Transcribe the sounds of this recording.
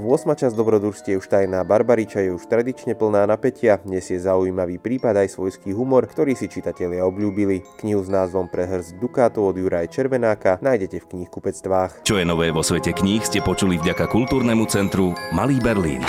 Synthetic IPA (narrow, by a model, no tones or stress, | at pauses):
ʋʊɔsmat͡ʃazd̪ɔbɾɔd̪uɾscɛuʃt̪ajnaːbaɾbaɾit͡ʃajɛuʃt̪ɾad̪it͡ʃɲɛpl̩naːnapɛcɪaɲɛzjɛzaujiːmaʋiːpɾiːpad̪ajsʋɔjskiːɦumɔɾkt̪ɔɾiːsit͡ʃit̪acɛʎɪaɔbʎuːbilikɲiɦuznaːzʋɔmpɾɛɦr̩zd̪ukaːt̪ɔɔd̪juɾajɛt͡ʃɛɾʋɛnaːkanajɟɛcɛfkɲixkupɛt͡st̪ʋaːxt͡ʃɔjɛnɔʋɛːʋɔsʋɛcɛkɲixscɛpɔt͡ʃulivɟakakult̪uːɾnɛmut͡sɛnt̪ɾumaliːbɛɾlḭːn